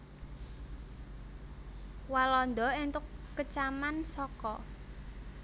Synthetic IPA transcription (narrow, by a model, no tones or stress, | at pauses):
walɔnd̪ɔint̪ʊkːət͡ʃamansɔkɔ